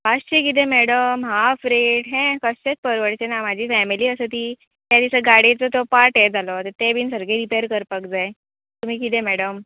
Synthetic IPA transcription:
bast͡ɕekit̪̬ẽmɛɽəmɦafɾeʈɦɛ̃kəst͡ɕet͡s̚pəɾʋəɽt͡ɕenamad͡ʑʱiːfɛmiliːəsət̪iː | t̪jad̪isəɡaɽit͡sət̪opaɾʈɦed͡zʱalɔt̪ət̪ebʱiːnsəɾɡeɾipejəɾkəɾpəkd͡zae | t̪um̤iːkit̪ẽmɛɽəm

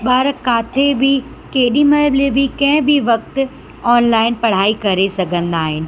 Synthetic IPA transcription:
ɓaːɾəkaːt̪ʰebʱɪ | keːɗimɐɦblebʱɪkɐ̃ɦɪ̃bʱiʋɐk̚t̪ | ɔːnlaːɪnpɐɽ̤aːikɐɾesɐɡʱə̃nd̪aːɦɪnɪ̆

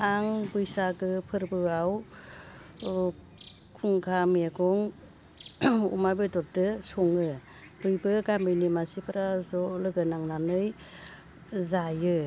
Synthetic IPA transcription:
aŋbɯjsaɡɯpʰɯɾbɯaw | kʰuŋkʰamiaɡɔŋ | ṵmabɯdɔt̚dɯsɔŋɯ | b̥ɯjbɯɡambɯjnimasipʰaɾazɔlɯɡɯnaŋnanɯj | zajɯ

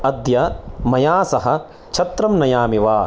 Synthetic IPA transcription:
ɐd̪jɐmɐjaːsɐɦɐ | t͡ʃʰɐt̪ɾɐmnɐjaːmiʋaː

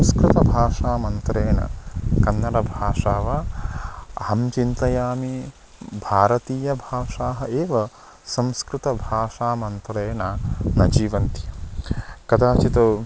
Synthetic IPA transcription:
skɾut̪ɐbʱaːʂaːmɐnt̪ɾeːɳɐ̰kɐnːɐɾɐbʱaːʂaːʋaː | ɦɐmt͡ʃint̪ɐjaːmi | bʱaːɾɐt̪iːjɐbʱaːʂaːɦɐeːʋɐ | sɐ̃mskɾut̪ɐbʱaːʂaːmɐnt̪ɾeːnanɐd͡ʒiːʋɐnt̪i | kɐd̪aːt͡ʃit̪ɐ

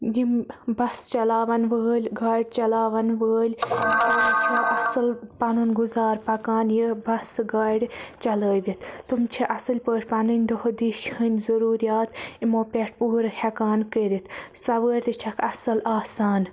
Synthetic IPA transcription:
jimbɐst͡ʃɐlaːʋɐnʋəːlʲɡaːɖʲt͡ʃɐlaːʋɐnʋəːlʲtɐjaːt͡ʃʰiɐsɨlpɐnunɡuzaːɾpɐkaːnjibɐsɡaːɽʲt͡ʃɐləːjbit̪t̪umt͡ʃʰiʔɐsɐlʲpəːʈʰʲpɐnɨnʲd̪oɦod̪iʃhənʲzɐɾuːɾijaːt̪imoːpʲeʈʰpuːɾhɐkaːnkeɾit̪ʰsɐʋəːɾʲt̪it͡ʃʰɐkʰɐsɐlaːsaːn

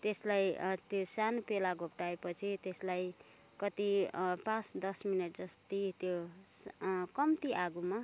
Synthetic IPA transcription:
t̪eslajt̪josanpelaɡʱop̚ʈaepʌt͡sʰit̪eslaj | kʌt̪ipãt͡sd̪ʌsminʌʈ̚d͡zʌst̪it̪jo | skʌmt̪iʔaɡuma

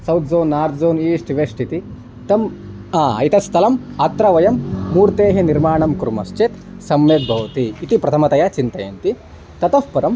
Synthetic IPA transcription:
sɐwt̪ʰzoːnːaːɾzoːniːʂʈʋeːʂʈit̪i | t̪ɐm | aːit̪ɐt̪st̪ʰɐlɐm | ɐt̪ɾɐʋɐjɐmːuːɾt̪eːɦeniɾmaːɳɐmkuɾmɐ̰st͡ʃet̪ | sɐmjek̚bʱɐʋt̪iːt̪ipɾɐt̪ʰɐmɐt̪ɐjɐt͡ʃint̪ɐjɐ̰nt̪i | t̪ɐt̪ɐfpɐɾɐm

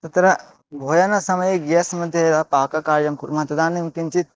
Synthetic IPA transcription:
t̪ɐt̪ɾɐ | bʱoːjɐnɐsɐmɐjeɡjɐsmɐd̪ʱjɐlapaːkɐkaːɾjɐmkuɾmɐɦɐt̪ɐd̪aːnimkint͡ʃit̪̚

